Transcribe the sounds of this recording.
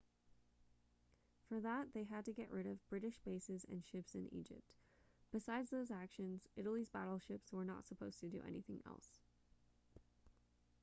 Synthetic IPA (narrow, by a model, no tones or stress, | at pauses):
fə˞ðət̪̚ðeɪɨd̚tɨɡɛ̰ʔɹɪɾʌvbɹɪɾɨʃb̥eɪsɨzɨ̰̃nʃɪpsɨ̃nḭd͡ʒɪ̰p̚t | b̥ɨsaɪdzðoʊzækʃɨ̃nz̥ʔɪɾl̩ˠizbæ̰ɾl̩ˠʃɪpswə˞nə̰tsəpʰoʊz̥tʰɨdɨ̰ʔɛ̰niθɪ̰̃ŋɛ̰lˠs